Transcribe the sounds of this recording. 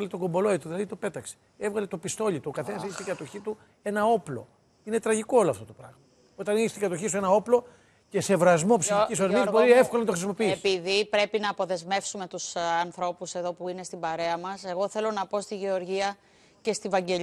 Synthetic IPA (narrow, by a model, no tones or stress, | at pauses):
ɐlet̪oɡo̞mbo̞lo̞it̪uðilɐðit̪ope̞t̪ɐkse̥ | evɣɐlet̪o̞pist̪o̞ʎit̪uokɐθenɐs̬içst̪iɡɐt̪o̞çit̪u | e̞nɐo̞plo̞̰ | inet̪ɾɐʝikooloɐft̪ot̪opɾɐɣmɐ | o̞t̪ɐniçst̪iŋɡɐt̪oçisuenɐo̞plo̞ | ce̞se̞vɾɐzmo̞psiçicisɐɾmizboɾiefkolɐnɐt̪o̞xɾisimo̞piiepiðipɾe̞pinɐːpo̞ðe̞zme̞fsume̞t̪usɐnθɾo̞puse̞ðo̞puine̞st̪ibɐɾe̞ɐmɐse̞ɣo̞θe̞lo̞nɐpo̞st̪iʝe̞o̞ɾʝiɐ | ce̞st̪ivɐɲɟe̞ʎ